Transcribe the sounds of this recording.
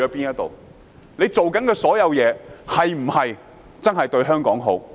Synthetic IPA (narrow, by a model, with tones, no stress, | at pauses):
ɔː˨˥piː˥njɐ˥t̚t̪o̰˨w | ne˨˧jt͡so˨wkɐ˨˥nkɛː˧sɔː˨˥jɐ˨˧wjɛː˨˧hɐ˨jm̩˨˩hɐ˨j | t͡sɐ˥nɦɐ˨jt̪ɵ˧ɥɦœː˥ŋkɔː˨˥ŋɦo˨˥w